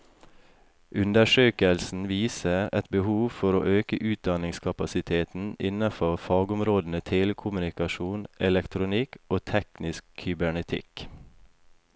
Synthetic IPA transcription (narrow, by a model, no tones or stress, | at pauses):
ʔʉnd̪əʃøːkəlsn̩ʋiːsəɾɛt̪bəhuːʋfɔɾo̰ːʔøːkəʔʉːt̪̚d̪ɑnɪŋskʰɑpɑsɪt̪ʰeːt̪n̩ɪ̰nɑfɔfɑːɡʊmɾoːd̪n̩ət̪ʰeːləkʰʊmʉnɪkɑʃuːnɛlɛkt̪ʰɾʊnɪkoːt̪ʰɛknɪskʰʏbæɳɛt̪ʰɪ̰k